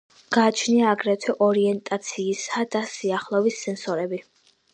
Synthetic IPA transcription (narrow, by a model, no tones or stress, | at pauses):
ɡ̥aːt͡ʃʰniaːɡɾɛt̪ʰɛʔɔɾiɛnt̪ʼat̪sʰiːsad̪̥asiaχlˠɔvisːɛnsɔɾɛbi